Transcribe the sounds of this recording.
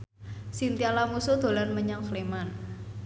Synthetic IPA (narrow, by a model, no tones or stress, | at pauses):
sint̪ialamusud̪̥o̤lanməɲaŋkleman